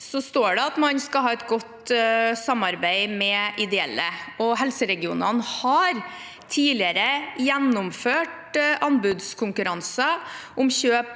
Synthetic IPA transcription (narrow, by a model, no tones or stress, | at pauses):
sɔst̪oːɖɛɑt̪mɑɲskɑɦɑːɛt̪ɡɔt̪sɑmɑɾbæɪmɛʔɪd̪ɛɛlːəʔɔɦɛlsəɾɛɡɪṵːnɑnhɑɾ | t̪ʰiːlɪəɾəjɛnːʊmføːʈ | ʔɑnbʉd̪skʰʊŋkʉɾɑnsəʔʊmɕøːp